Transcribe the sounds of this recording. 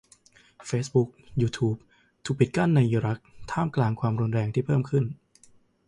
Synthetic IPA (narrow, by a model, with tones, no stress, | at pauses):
feː˦˥sbu˦˥k̚juː˧t̪ʰuː˦˥p̚ | t̪ʰuː˨˧˩pi˨˩t̪̚ka˥˩nːa˧jʔiː˧ɾa˦˥k̚t̪ʰaː˥˩mklaː˧ŋkʰwaː˧mɾu˧nɾɛː˧ŋt̪ʰiː˥˩pʰɤː˥˩mkʰɯ˥˩n